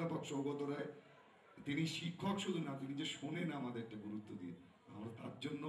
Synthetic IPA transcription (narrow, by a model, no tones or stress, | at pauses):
apokʃɔɾɡot̪oɾae | t̪iniʃikʰːokʃud̪ʱunat̪inid͡ʑeʃonenamad̪eek̚ʈaɡuɾut̪ːod̪ie | a̰mɾat̪a̰ɾd͡ʑonːo